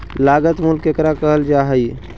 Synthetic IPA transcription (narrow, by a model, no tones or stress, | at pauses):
laːɡət̪mʊlkekɾakəɦəld͡ʒaːɦəi